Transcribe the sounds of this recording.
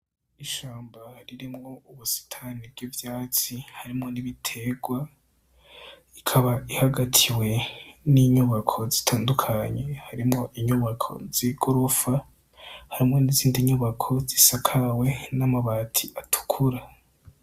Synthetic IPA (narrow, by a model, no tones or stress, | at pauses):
iʃaːmbahaɾiɾimŋo̞uβusi̥tʰanibɡivjaːt͡sihaɾimŋo̞niβitʰe̞ɡwa | ikʰaβaihaɡatʰiwe̞niɲuβakʰo̞zitʰaːndukʰaɲe̞haɾimŋo̞ʔiɲuβakʰo̞̰ziɡuɾufa | haɾimŋo̞niziːndiɲuβakʰo̞zisakʰawe̞namaβaːtʰiʔatʰu̥kʰuɾa